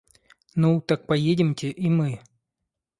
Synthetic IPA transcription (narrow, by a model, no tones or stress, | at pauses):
nut̪ak̚pɐjedʲɪmtʲɪʔimɨ